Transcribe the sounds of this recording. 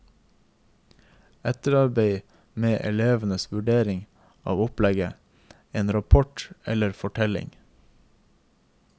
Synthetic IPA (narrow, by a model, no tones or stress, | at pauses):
ɛt̪əɾɑɾbeɪ | meːʔɛleːʋənəsʋʉɖeːɾɪŋ | ɑ̰ːʋʊplɛɡə | eːnɾɑpʰɔʈɛ̰ləɾfɔʈʰɛlɪ̰ŋ